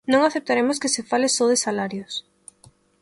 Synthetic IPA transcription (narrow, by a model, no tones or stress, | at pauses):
nõŋaθep̚t̪aɾemʊskɪsefalɪsɔðɪsalaɾjos